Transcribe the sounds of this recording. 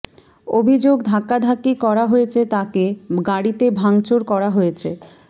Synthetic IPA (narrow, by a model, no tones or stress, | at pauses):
obʱid͡ʑoɡd̪ʱakːad̪ʱakːikɔɾaɦojet͡ɕʰet̪akeɡaɽit̪ebʱaŋt͡ɕoɾkɔɾaɦojet͡ɕʰe